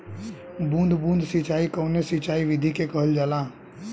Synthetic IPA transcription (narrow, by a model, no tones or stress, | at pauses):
bũːnd̪ʱbũːnd̪ʱsɪt͡ʃaːikoːnesɪt͡ʃaːiʋɪd̪ʱikekəɦəld͡ʒaːlãː